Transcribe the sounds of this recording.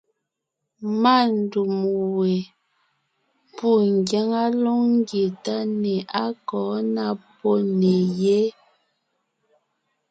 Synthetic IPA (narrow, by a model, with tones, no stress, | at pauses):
ma˦˨n˨du˨mwe˨ | pu˦˨ŋ˨ɡja˦ŋa˦lo˦ŋŋ˦ɡje˨ta˦ne˨ʔa˦kɔː˨˦na˦pɔ˦ne˨je˦